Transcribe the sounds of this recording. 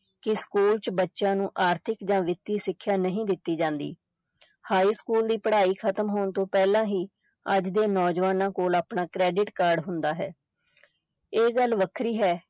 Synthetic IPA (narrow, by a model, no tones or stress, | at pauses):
kɪskuːlt͡ʃbətːʃãːnũːʔaːɾt̪ʰɪkd͡ʒãːʋɪt̪ːiːsɪkʰːjaːnəɦĩːd̪ɪt̪ːiːd͡ʒãːnd̪ḭː | haːiːskuːld̪iːpəɽaːiːkʰət̪əmɦoːnt̪õːpɛːlãːɦiː | ə̰d͡ʒd̪eːnɔːd͡ʒʋaːnãːkoːlaːpɳaːkɾɛːɖɪʈkaːɾɖɦʊnd̪aːɦɛ̰ː | eːɡəlːʋəkʰɾiːɦɛː